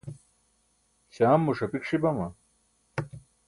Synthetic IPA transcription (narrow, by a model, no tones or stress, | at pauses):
ɕaːmːuʂɐpikʂibɐmɐ